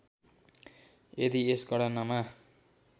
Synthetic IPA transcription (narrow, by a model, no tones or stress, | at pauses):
ed̪iesɡʌɽʌnʌma